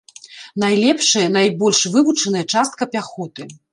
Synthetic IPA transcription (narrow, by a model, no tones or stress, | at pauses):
najlʲɛpʂɐjɐnajbɔlʲʂvɨvut͡ʂɐnɐjɐt͡ʂast̪̚kɐpʲaxɔt̪ɨ